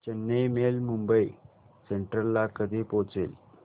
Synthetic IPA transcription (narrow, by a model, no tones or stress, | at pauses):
t͡ɕenːejmeːlmumbɐj | seɳʈɾɐlːaːkɐd̪eːpoːt͡sḛl